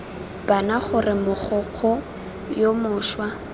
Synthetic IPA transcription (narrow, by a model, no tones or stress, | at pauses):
b̥anaχʊrɪmʊχʊq͡χʰɔ | jomʊːʃwa